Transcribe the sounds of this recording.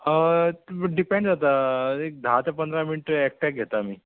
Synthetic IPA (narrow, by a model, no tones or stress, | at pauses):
ə | ɖipẽɳɖd͡zat̪aek̚d̪ʱat̪apənd̪ɾaminiʈɛk̚ʈɛk̚ɡʱet̪amiː